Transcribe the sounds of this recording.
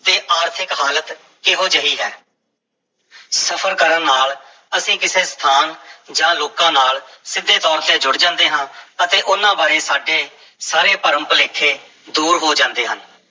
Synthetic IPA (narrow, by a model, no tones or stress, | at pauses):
d̪eːʔaːɾt̪ʰɪkɦaːlət̪ | kɪɦoːd͡ʒəiːɦɛ̰ː | səpʰəɾkəɾãːnaːl | əsĩːkɪseːst̪ʰaːnd͡ʒãːloːkãːnaːlsɪd̪ʱːeːt̪ɔːɾt̪eːd͡ʒʊɽd͡ʒãːnd̪eːɦãːət̪eːʔʊnːãːbaːɾeːsaːɖeː | saːɾeːpəɾə̃mpleːkʰːeː | d̪uːɾɦoːd͡ʒãːnd̪eːɦən